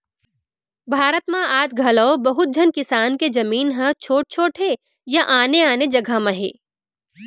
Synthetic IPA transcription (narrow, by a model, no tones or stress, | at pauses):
bʱaːɾət̪mãaːt̪ɡʱɐlɔobɐɦʊt̪̚d͡ʒʱɐnkɪsaːnked͡ʒɐmiːnɦɐ̃t͡ʃʰoːʈ̚t͡ʃʰoːʈʰɦe | jɐʔaːneaːned͡ʒɐɡʱamɐɦḛː